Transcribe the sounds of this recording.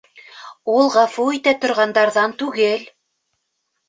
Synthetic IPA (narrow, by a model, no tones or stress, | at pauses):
ulˠʁɑfuit̪æt̪ŏɾʁɑnd̪ɑɾðɑnt̪ʉɡɘl